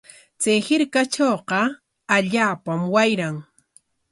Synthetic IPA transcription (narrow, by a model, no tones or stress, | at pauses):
t͡sajhɪɾkat͡ʃoːqɑ | aʎaːpamwajɾaŋ